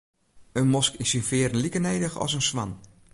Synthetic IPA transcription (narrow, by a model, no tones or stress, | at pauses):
ənmɔskinsinfɪəɾənlikənejdəxɔ̰sənsʋan